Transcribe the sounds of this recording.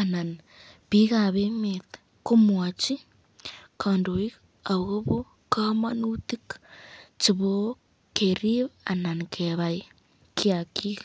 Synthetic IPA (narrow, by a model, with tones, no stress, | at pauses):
a˨na˨n | pi˦ɣa˨βe˦met | ko˦mwa˨t͡ʃi˦ | kʰa˨ndo˨i˦ | a˨βɣo˦βo˦ | ka˦manu˦t̪i˦k | t͡ʃi˧βo˦ | ke˨ɾi˦βa˨na˨nkʰe˨βa˨j | kja˨ki˦ɣ